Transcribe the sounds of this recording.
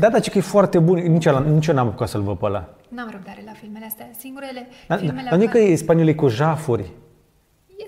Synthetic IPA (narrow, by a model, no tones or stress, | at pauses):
d̪ad̪at͡ʃekəjefoart̪e̞bunnit͡ʃalanit͡ʃonampukat̪səlvəpəla̰ | namɾod̪eafilmeassɡud̪aanjkəeespaniolikuʒafurʲ